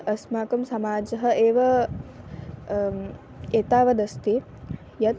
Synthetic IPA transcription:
ɐsmaːkɐmsɐmaːd͡ʒɐɦɐ̆ʔeːʋɐ | eːt̪aːʋɐd̪ɐst̪i | jɐt̪

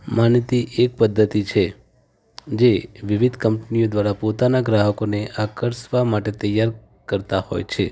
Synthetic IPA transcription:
manjət̪iʔek̚pəd̪ʱːət̪it͡ʃʰe | d͡ʒeʋiʋid̪ʱkəmpnijod̪ʋaɾapot̪anaɡɾaɦəkoneʔakəɾsʋamaʈet̪əjːaɾ | kəɾt̪aho̰jt͡ʃʰe

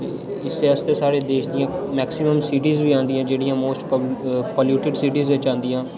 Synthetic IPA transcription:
t̪eː | ɪseːəst̪eːsaːɾeːd̪eːʃʰd̪ɪjãːmɛːksɪməmsiːʈiːzʋiːãːnd̪ɪjãːd͡ʒeːɽɪjãːmoːsʈppəːljuːʈɪɖsiːʈiːzʋɪt͡ʃãːnd̪ɪjãː

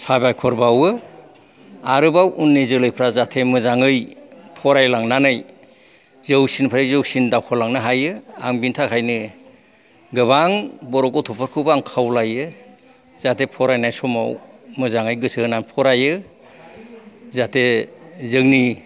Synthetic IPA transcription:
sabajkʰɔɾbawɯ | aɾɯbawʔunːizɯlɯjpʰɾazatʰemɯzaŋɯjpʰɔɾajlaŋnanɯj | zɯwsinpʰaɾɯjzɯwsindawkʰɔlaŋnɯɦajɯa̰ŋbintʰakʰajnɯ | ɡɯbaŋbɔɾɔkɔtʰɔpʰɔɾkʰɯbaŋkʰawlajɯ | z̥atʰepʰɔɾajnajsɔma̰wmɯzaŋɯjɡɯsɯnanpʰɔɾajɯ | zatʰezɯŋni

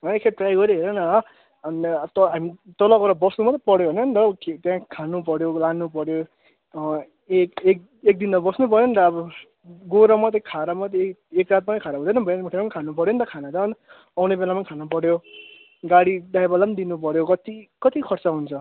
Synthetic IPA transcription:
ɦʌekʰeʈrajɡʌɾiɦeɾʌnʌʌ | nt̪ʌɦamit̪ʌlʌkoɾʌbʌsnumat̪ʌpʌɽjoɦʌnʌnt̪ʌket̪jãkʰanup̬ʌɽjolanːupʌɽjo | ekek̚ | ek̚d̪int̪ʌbʌsnupʌɾjont̪ʌːbʌ | ɡoɾamʌt̪ʌkʰaɾamʌt̪ʌekrat̪̚manʌkʰaɾaɦũd̪ʌnʌbʌnmʈʰeamankʰanupʌɾjonit̪ʌkʰanat͡sʌn | ʌwnebelamankʰanupʌɽjo | ɡaɽid̪ajbʌland̪inupʌɾjokʌt̪ikʌt̪ikʰʌrt͡sʌɦunt͡sʰʌ

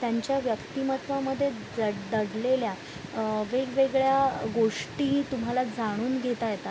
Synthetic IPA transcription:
t̪jaɲt͡ɕjaʋjəkt̪imət̪ʋaməd̪ʱːje | d͡zəɽd̪əɽlelja | ʋeɡʋeɡɭjaɡoʂʈĩːt̪um̤alad͡zʱaɽ̃uːnɡʱet̪ajet̪a

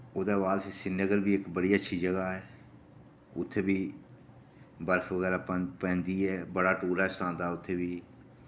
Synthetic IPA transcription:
oːd̪aːʋaːlsesɪnːəɡəɾbiːɪkbəɽiːətːʃʰiːd͡ʒəɡaːɛː | ʊ̰t̪ʰːeːbiː | bəɾkʰʋəɣɛːɾaːpːpɛ̃ːnd̪iːɛːbəɽaːʈoːɾaːɛsãːnd̪aːʊt̪ʰːeːbiː

